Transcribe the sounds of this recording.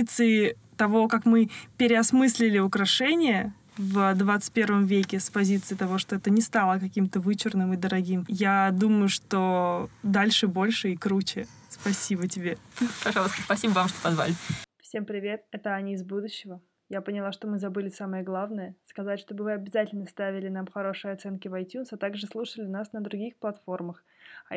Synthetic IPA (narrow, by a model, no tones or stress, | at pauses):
t̪sɨɪ | t̪ɐvo̞kakmɨpʲɪɾʲɪɐsmɨsʲlʲɪlʲɪʊkɾɐʂɛnʲɪjə | vəd̪vat̪sɨ̥t̚ʲpʲe̞rvəmvʲekʲɪspɐzʲit̪sɨɪt̪ɐvo̞ʂt̪o̞ɛt̪ənʲɪst̪alˠəkɐkʲimt̪əvɨt͡ɕɪrnɨmɨd̪əɾɐɡʲimjad̪uməjʊʂt̪od̪alʲʂɨbo̞lʲʂɨikɾut͡ɕɪ | spɐsʲibətʲɪbʲe̞pɐʐɑlˠəst̪ə̥spɐsʲibəvamʂt̪opɐzva̰lʲɪfsʲe̞mpɾʲɪvʲe̞t̪̚ɛt̪əɐnʲizbud̪ʊɕːɪvə | japənʲɪlˠaʂt̪o̞mɨzɐbɨlʲɪsaməjəɡlˠavnəjəskɐzatʲʂt̪o̞bɨvɨɐbʲɪzatʲɪlʲnəst̪avʲɪlʲɪnamxɐɾo̞ʂɨjəɐt̪sɛnkʲɪvɐjtʲunsɐt̪aɡʐɨslˠuʂəlʲɪnasnəd̪ɾʊɡʲixplˠɐt̪fo̞rməx